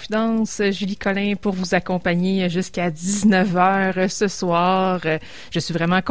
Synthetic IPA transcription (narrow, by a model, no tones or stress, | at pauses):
fid̪ɑ̃səʒylikʰɔlɛ̃pʊʁvuzakɔ̃paɲeʒyskʲad̪iznœvœːʁəsəswɑːʁə | ʒ̥əsɥivʁɛmɑ̃k